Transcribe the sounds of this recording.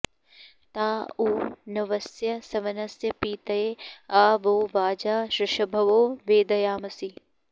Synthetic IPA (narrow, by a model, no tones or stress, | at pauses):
t̪aːuːnɐʋɐsjɐsɐʋɐnɐsjɐpiːt̪ɐeaːʋoːʋaːd͡ʒaːʃɾɪʃɐbʱɐʋoːʋeːd̪ɐjaːmɐsi